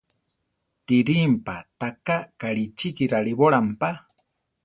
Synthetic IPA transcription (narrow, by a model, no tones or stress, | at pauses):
t̪iɾimpat̪akakaɺit͡ʃikiɾaɺiβoɺampa